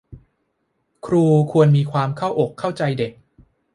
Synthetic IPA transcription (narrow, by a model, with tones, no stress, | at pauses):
kʰɾuː˧kʰu˧ənmiː˧kʰwaː˧mkʰa˥˩wʔo˨˩kʰːa˥˩wt͡ɕa˧jde˨˩k̚